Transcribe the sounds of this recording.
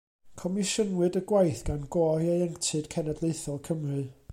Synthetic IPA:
kʰɔmɪʃənwɨdəɡwajθɡ̥anɡɔːiejɛŋtʰɨd̥kʰɛnadlˠeɨθɔkʰəmrɨ

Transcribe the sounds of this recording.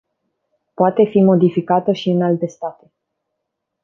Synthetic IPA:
poat̪e̞fimo̞d̪ifikat̪əʃiɨnalt̪e̞st̪at̪e̞

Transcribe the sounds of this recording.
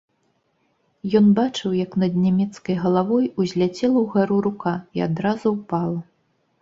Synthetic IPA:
jɔnbat͡ʂɨwjɐknɐd̪nʲamʲɛt̪skɐjɣɐlˠavɔjuzʲlʲat͡sʲɛlˠɐwɣaɾuɾukaiad̪ɾazuwpalˠɐ

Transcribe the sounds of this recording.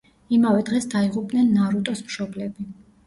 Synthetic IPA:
imavɛd̪ʁɛsd̪aiʁupʼnɛnːaɾut̪ʼɔsmʃɔblɛbi

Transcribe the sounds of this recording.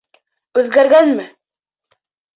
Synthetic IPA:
ʉðɡæɾɡænmɘ

